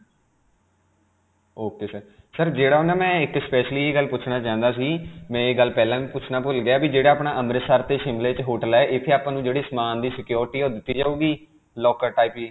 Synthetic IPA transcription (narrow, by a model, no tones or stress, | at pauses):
oːkeːsəɾ | səɾd͡ʒeːɽaːʊnãːmɛ̃ːɪkspɛːʃliːeːɡəlpʊt͡ʃʰnaːt͡ʃãːnd̪aːsiːmɛ̃ːeːɡəlpɛːlãːʋiːpʊt͡ʃʰnaːpʊlɡɪaːbiːd͡ʒeːɽaːpnaːʔəmɾəsaɾt̪eːʃɪmleːt͡ʃɦoːʈəlɛːʔɪt̪ʰːeːaːpãːnũːd͡ʒeːɽiːsəmaːnd̪iːsɪkjoːɾɪʈiːoːd̪ɪt̪ːiːd͡ʒaːuːɡiː | lɔːkəɾʈaːipiː